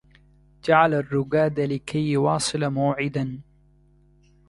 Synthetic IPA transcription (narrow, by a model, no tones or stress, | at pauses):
d͡ʒaʕalarːʊɡaːd̪alɪkʰajwɑːsˤɨlamaːʕɪd̪an